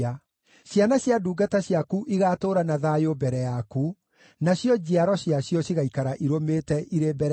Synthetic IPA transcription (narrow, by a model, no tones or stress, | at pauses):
a | ɕjanaɕjaduːɡataɕjakuʔiɣatoːɾanaðaːjobɛɾɛjaku | naɕjɔd͡ʑiaɾɔɕjaɕjɔɕiɣaikaɾaʔiɾomeːtɛʔiɾebɛɾ